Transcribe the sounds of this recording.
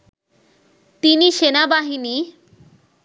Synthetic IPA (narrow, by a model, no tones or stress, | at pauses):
t̪iniʃenabaɦini